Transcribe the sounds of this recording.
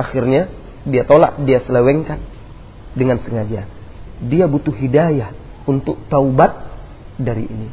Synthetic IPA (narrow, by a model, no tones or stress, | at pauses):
axirɲa | diat̪ola̰ʔdiasələwɛŋkan | dəŋansəŋad͡ʒa | diabut̪uɦidajah | unt̪ʊk̚t̪aubat̪̚ | daɾḭʔḭni